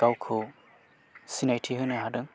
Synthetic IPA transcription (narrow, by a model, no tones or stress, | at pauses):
kawkʰɯ | sinajtʰiɦɯnɯɦadɯŋ